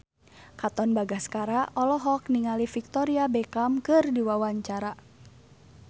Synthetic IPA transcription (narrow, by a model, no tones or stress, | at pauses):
kat̪ɔnbaɡaskaɾaʔɔlɔɦɔk̚niŋalifik̚t̪ɔɾiabɛkamkɨrdiwawaɲt͡ʃaɾa